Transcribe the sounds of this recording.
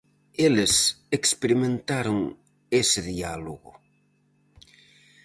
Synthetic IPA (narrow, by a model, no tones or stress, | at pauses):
elesekspeɾimẽnt̪aɾoŋ | eseðialoɣo̰